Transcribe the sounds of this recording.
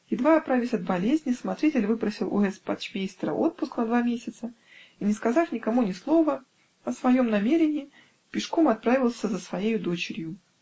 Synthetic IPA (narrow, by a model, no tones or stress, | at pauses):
jɪd̪vaɐt̪̚pɾavʲɪsʲɐd̪̚bɐlʲezʲnʲɪsmɐt̪ɾʲitʲɪlʲvɨpɾəsʲɪlˠʔʊ̰ɛspɐt̪t͡ɕmʲejst̪ɾə̰ʔot̪̚pʊsknɐd̪vamʲesʲɪt̪sə | inʲɪskɐzafnʲɪkɐmunʲɪslˠo̞və | ɐsvɐjo̞mnɐmʲeɾʲɪnʲɪː | pʲɪʂko̞mɐt̪̚pɾavʲɪlˠsʲəzəsvɐjejʊd̪o̞t͡ɕɪɾʲjʊ